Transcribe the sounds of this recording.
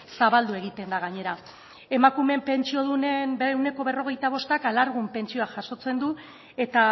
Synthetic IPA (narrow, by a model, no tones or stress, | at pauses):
saβald̪ue̞ɣ̞it̪e̞nd̪aɣ̞aɲe̞ɾa | e̞makume̞mpe̞nt͡ʃio̞ð̞une̞nbeewne̞ko̞βe̞ro̞ɣ̞e̞jt̪aβ̞o̞st̪akalaɾɣ̞umpe̞nt͡ʃio̞aʝaso̞t͡se̞nd̪u | e̞t̪a